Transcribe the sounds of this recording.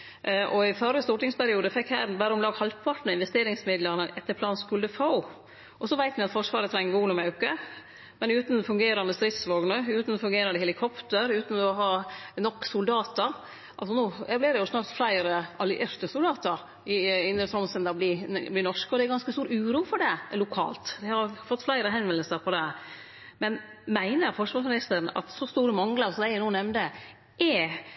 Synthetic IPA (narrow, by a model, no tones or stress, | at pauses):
ʔʔɔɪfœɾːəst̪uːʈɪŋspæɾɪuːd̪əfɛkhæːɾbæːɾəɔmlɑːɡhɑlpʰɑʈ̪n̩ɪnʋɛst̪eːɾɪŋsmɪd̪lənəʔɛt̪ːəɾpʰlɑːnskʉld̪əfɑʊ | ʔɔsɔʋæɪt̪mɪɑt̪fɔʂʋɑːɾət̪ʰɾɛŋːʋoːnʊmʉkːə | mɛnʉːt̪n̩fʉŋɡeːɾɑnd̪əst̪ɾɪt̪sʋoːɡnəʉːt̪n̩ɔfʉŋɡeːɾɑnəhɛlɪkʰɔpt̪əɾʉːt̪n̩ɔɦɑːnɔkːsʊld̪ɑːt̪əɾ | ʔɑ̰lsɔnuːblɪːdɛjʊsnɑːɾt̪flæɪɾəʔɑlɪʔɪɾt̪əsʊld̪ɑːt̪əɾ | ɪɪnd̪ɾət̪ɾɔmsɛnd̪ɑblɪblɪnɔʂkəɔd̪ɛæɾɡɑnskəst̪uːɾʉːɾuːfɔɖɛlʊkʰɑ̰ːlt̪d̪ɛhɑɾfɔt̪ːflæɪɾəɦhɛnʋɛnəlsəɾpʰɔd̪ɛ | mɛn | mæɪnəɾfɔʂʋɑːɾʂmɪnɪst̪əɾnɑ̰t̪sɔst̪uːɾəmɑŋləɾsɔmd̪æɪænuːnɛmnd̪ə | ʔɛ